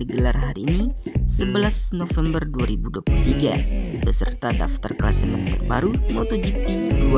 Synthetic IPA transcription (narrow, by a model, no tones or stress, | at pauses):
diɡəlarɦaɾiːnisəbəlasnofɛmbərduaɾibuduapulut̪iɡabəsərt̪ada̰ft̪arkəlasənant̪ərba̰ɾumot̪od͡ʒipidua